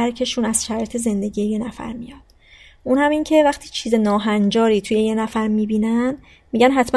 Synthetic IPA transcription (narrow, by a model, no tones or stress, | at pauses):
æɾcʰe̞ʃuːnæz̥ʃæɾɒːjet̪ʰe̞ze̞nd̪e̞ɟiːjeje̞næfæ̰ɾmijɒd̪̥ | ʔunhæmiːncʰe̞væχt̪ʰiːt͡ʃʰiːze̞nɒːɦænd͡ʒɒːɾiːt̪ʰuje̞je̞næfæɾmiːbiːnæn | miːɟænɦæt̪ʰmæ